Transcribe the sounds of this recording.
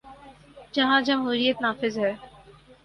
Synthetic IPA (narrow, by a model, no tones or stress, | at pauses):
d͡ʒɐɦãd͡ʒɐmɦuːɾijət̪naːfɪzɦɛː